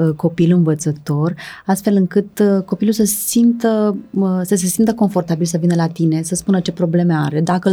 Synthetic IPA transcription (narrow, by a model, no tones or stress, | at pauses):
ko̞pilɨnvət̪sət̪o̞rast̪fe̞lɨŋkɨt̪ko̞pilusəsimt̪əsəs̬e̞simt̪əko̞ɱfo̞rt̪abilsəvinəlat̪ine̞səspunət͡ʃe̞pɾo̞ble̞me̞aɾe̞d̪akə